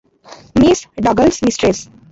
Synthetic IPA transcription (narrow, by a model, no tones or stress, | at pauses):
miːsɖʌɡəlsmisʈɾes